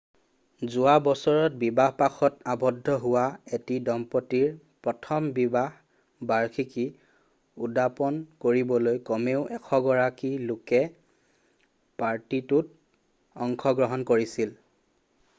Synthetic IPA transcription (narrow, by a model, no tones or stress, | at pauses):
zʊwabɔsɔɹɔt̚bibaɦpaxɔtabɔdʱːɔɦʊwaetidɔmpɔtiɹ | pɹɔtʰɔmbibaɦ | baɹkʰiki | udapɔnkoɹibɔlojkɔmeʊʔɛkʰɔɡɔɹakilʊkɛ | paɹtitut̚ | ɔŋkʰɔɡɹɔɦɔnkoɹisil